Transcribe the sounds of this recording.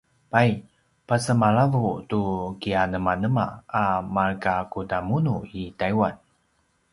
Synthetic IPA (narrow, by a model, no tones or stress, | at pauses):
paj | pasəmaɭavutukianəmanəmaːmarkakutamunuitajwan